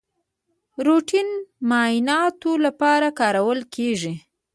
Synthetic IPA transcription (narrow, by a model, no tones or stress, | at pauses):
ɾoʈinmɑjɪnɑt̪olapɑɾakɑɾawəlkʰeʐi